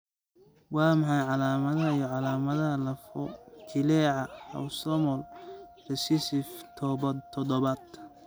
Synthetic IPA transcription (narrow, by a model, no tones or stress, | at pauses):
wɑːmɑħɑjʕɑlaːmɐðɐɦɐijɔʕɑlaːmɐðɐɦɐlɐfɔt͡ʃʰɪlɛːʕɑɐ̰wsɔmɔlrɛsɪsɪft̪ʰɔbɐt̪ʰːɔdɔβad̪